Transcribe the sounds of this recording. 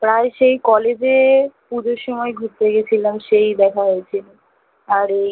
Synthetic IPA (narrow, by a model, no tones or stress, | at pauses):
pɾaeʃejkɔled͡ʑepud͡ʑʱoɾʃɔmɔeɡʱuɾt̪eɡet͡ɕʰilamʃejd̪ɛkʰaɦojet͡ɕʰilo | aɾe